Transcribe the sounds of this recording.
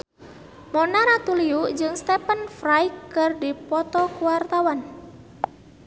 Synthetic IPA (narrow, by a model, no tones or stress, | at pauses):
mɔnaɾat̪uliud͡ʒɨŋst̪ɛpənfrajkːɨrdipɔt̪ɔkuwart̪awan